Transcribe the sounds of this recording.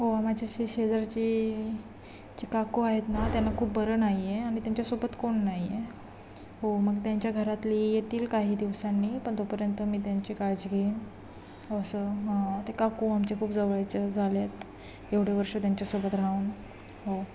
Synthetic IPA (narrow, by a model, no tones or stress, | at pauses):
ɦoam̤ad͡ʑʱaɕeɕed͡zəɾt͡ɕi | t͡ɕiːkakuaɦet̪nat̪janːakʰuːpbəɾənaɦieaɽ̃it̪jaɲt͡ɕasobət̪koɳːaɦje | ɦoməɡt̪jaɲt͡ɕjaɡʱəɾat̪lijet̪iːlkaɦiːd̪iʋsanːipəɳt̪opəɾjənt̪əmiːt̪̬jaɲt͡ɕikad͡ʑɡʱen | osəɦat̪ekakuamt͡ɕekʰuːpd͡zəʋəjt͡ɕad͡zʱaljet̪ | eʋɽ̤eʋəɾʂət̪jaɲt͡ɕjasobət̪ɾauːn | ɦo